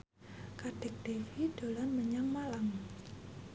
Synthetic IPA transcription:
kaɖ̥ɛ̤k̚d̥efid̥o̤lanməɲaŋmalam

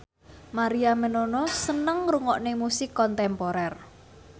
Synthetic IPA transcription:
maɾiamənonɔsənəŋruŋɔʔnemusɪkːɔnt̪ɛmpɔɾɛr

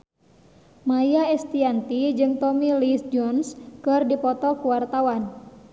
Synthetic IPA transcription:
majaɛst̪iant̪id͡ʒɨŋt̪ɔmilisd͡ʒɔnskɨrdipɔt̪ɔkuwart̪awan

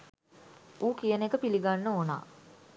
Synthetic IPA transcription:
uːkijənekəpiliɡanːəona̰

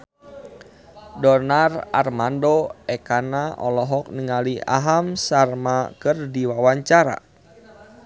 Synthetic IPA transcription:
dɔnara̰rmandoɛkanaʔɔlɔɦɔk̚niŋalia̰ɦamsarmakɨrdiwawaɲt͡ʃaɾa̰

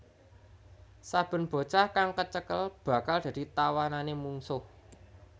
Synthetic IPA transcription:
sab̥ə̤nb̥o̤t͡ʃahkaŋkət͡ʃəkəlb̥ä̤kald̪̥ä̤d̥̪it̪awananemuŋsʊh

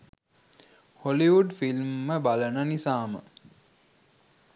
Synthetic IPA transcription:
holiʋuɖfilmːəbalənənisaːmə̰

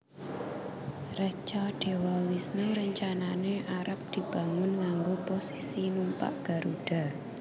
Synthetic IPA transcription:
rɛt͡ʃaɖ̥e̤wawisnuɾəɲt͡ʃananeʔaɾʔəp̚d̪̥i̤b̥ä̤ŋʊnŋaŋɡoposisinumpa̰ʔɡ̥a̤ɾuɖ̥a̤

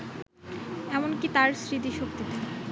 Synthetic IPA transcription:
ɛmonkit̪aɾsɾid̪iʃok̚t̪it̪e

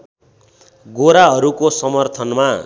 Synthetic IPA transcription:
ɡoɾaɦʌɾukosʌmʌrt̪ʰʌnma

